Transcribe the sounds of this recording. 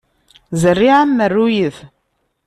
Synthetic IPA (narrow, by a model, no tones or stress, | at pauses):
zərːiʕamːərːujəð